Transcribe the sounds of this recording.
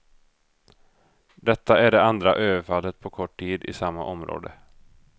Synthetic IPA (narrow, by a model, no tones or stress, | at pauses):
d̪ɛt̪ːaæɖɛand̪ɾa̰ʔøːvəɾfalːət̪̚pʰɔkʰɔʈʰːiːd̪ɪ̰samːa̰ʔɔmɾo̰ːd̪ə̰